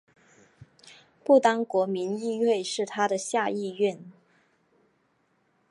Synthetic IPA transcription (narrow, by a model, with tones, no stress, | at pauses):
pu˥˩t̪ɑ˥ŋkwɔ˧˥mi˧˥ni˥˧we˥˧ɪʂɻ̩˥˩t̪ʰa˥ɾə˨ɕja˥˧i˥˧ɥɛ˥˩n